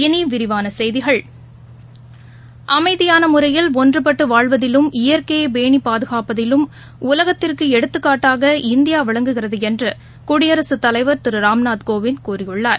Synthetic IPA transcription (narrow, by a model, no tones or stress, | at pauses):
ɪniːʋɪɾɪʋaːnɐsɛjðɪɣɐɭ | ʔɐmɐɪðɪjaːnɐmʊrɐjɪlɔndrɯpɐʈːɯʋaːɭʋɐðɪlɯmɪjɐɾkeːbeːɳipaːðɯɣaːpɐðɪlɯm | ʊlɐɣɐt̪ːɪrkɯɛɽɯt̪ːɯkːaːʈːaːɣɐɪnd̪ɪjaːʋɐɭɐŋɡɯɣɪrɐðɯɛndrɯ | kʊɽɪjɐɾɐsɯt̪ːɐlɐɪʋɐɾt̪ɪɾɯɾaːmnaːt̪koːʋɪnd̪̚kuːrɪjɯɭːaːɾ